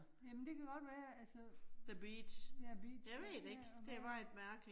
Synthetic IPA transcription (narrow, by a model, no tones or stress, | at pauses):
jæmənd̥e̝kʰæɡ̥ɒ̽d̥ʋæːɐælsəð̥əb̥ḭːd̥ɕæb̥ḭ̥jɑ̈ɪʋe̝ːd̥e̝ɡ̥d̥e̝ʋɑ̈e̝d̥mæɐɡ̥li